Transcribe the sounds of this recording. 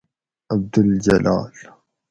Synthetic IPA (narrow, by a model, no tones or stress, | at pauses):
ʔab̚d̪ald͡ʒɐla̰ːl